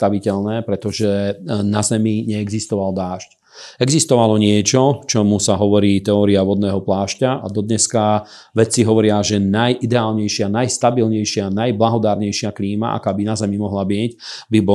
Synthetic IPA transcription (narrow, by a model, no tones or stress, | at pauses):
t̪aʋicɛʎnɛːpɾɛt̪ɔʒɛnazɛmiɲɛɛɡzist̪ɔʋald̪aːʃc | ɛɡzist̪ɔʋalɔɲɪɛt͡ʃɔt͡ʃɔmusaɦɔʋɔɾiːt̪ɛɔːɾiaʋɔd̪nɛːɦɔplaːʃcaʔa̰d̪ɔd̪ɲɛska | ʋɛt͡siɦɔʋɔɾɪaʒɛnajʔid̪ɛaːlɲɛjʃɪanajst̪abilɲɛjʃɪanajblaɦɔd̪aːɾɲɛjʃɪakliːma̰ʔa̰kaːbinazɛmimɔɦlabɪɛɟbibɔ